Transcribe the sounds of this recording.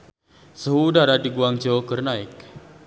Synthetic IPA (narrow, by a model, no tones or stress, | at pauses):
səɦudaɾadiɡuaŋd͡ʒokərnaɪk